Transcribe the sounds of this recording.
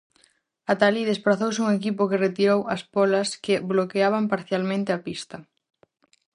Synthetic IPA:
at̪aliðesplaθowsɪuŋekipʊkeret̪iɾowɐspɔlɐskɪblokeaβɐmpaɾθjalmẽnt̪ɪapist̪ɐ

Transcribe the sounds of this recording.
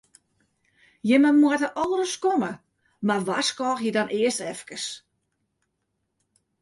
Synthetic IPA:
jɪməmuətəʔɔːɾəskomə | marʋaskɔːxjədɔnʔɪəstɛfkəs

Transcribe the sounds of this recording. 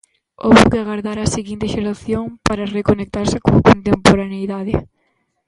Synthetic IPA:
o̰βʊkeaɣaɾðaɾaseɣint̪eʃeɾaθjoŋpaɾarekonek̚t̪aɾsɪkoŋkont̪empoɾanejðaðɪ

